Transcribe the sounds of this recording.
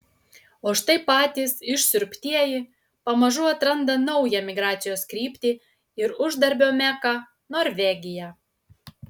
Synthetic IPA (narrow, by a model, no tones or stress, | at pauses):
oːʃt̪ɐɪpɑːt̪ʲiːsɪʃʲsʲʊɾʲpʲt̪ʲiɛjiː | pɐmɐʒʊɐt̪ɾɐnd̪ɐnɐʊjɛmʲɪɡɾɑːt̪sʲɪjoːskɾʲiːpʲt̪ʲi | ɪɾʊʒd̪ɐɾʲbʲoːmʲæːkɑ | noːɾʲʋʲɛɡʲɪjɛ